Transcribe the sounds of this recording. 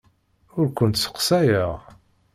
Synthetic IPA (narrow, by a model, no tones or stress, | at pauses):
ʊɾkʷʊnt̪sə̥qsæjəʁ